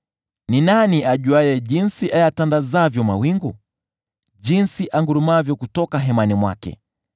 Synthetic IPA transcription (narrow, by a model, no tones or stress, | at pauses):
ninaniaʄuajɛʄinsiʔajatandazavjɔmawiŋɡu | ʄinsiʔaŋɡuɾumavjɔkutɔkaɦɛmanimwa̰kɛ̰